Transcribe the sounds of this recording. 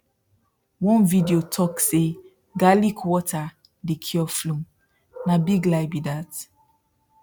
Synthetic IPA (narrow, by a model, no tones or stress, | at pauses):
wɔ̃nvidiotʰɔkse | ɡalikwɔtʰa | dekʰiɔflũm | nabiɡlaɪbidat